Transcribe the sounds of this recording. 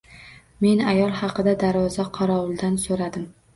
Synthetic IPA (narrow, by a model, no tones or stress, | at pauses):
me̞najɒlˠhɑqʰɨd̪ad̪aɾvɒzaqʰɑɾɒʊlˠd̪ansoɾad̪ɪm